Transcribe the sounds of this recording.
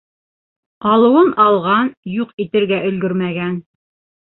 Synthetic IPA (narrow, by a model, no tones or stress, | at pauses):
qɑlˠɤ̆wɤnɑlˠʁɑnjuqit̪ɘ̆ɾɡæʔɵ̆lɡɵɾmæɡæn